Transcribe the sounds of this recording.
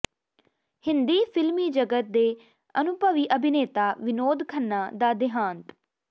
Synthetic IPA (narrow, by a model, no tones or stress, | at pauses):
hɪnd̪iːpʰɪlmiːd͡ʒəɡət̪̚d̪eː | ənʊpəʋiːʔəbʱɪneːt̪aːʋɪnoːd̪kʰənːaːd̪aːd̪ɪɦãːnt̪